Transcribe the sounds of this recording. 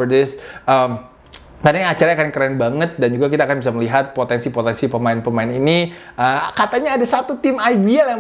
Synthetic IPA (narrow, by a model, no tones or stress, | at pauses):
ərdɪsʔəm | t̪anat͡ʃaɾaakankəɾanbaŋət̪̚dand͡ʒuɡakit̪aːkanbis̬aməliɦat̪̚pot̪ɛnsipot̪ɛnsipəmaɪnpəmaɪnini | əkat̪aɲaːdasat̪ut̪ɪmajbiala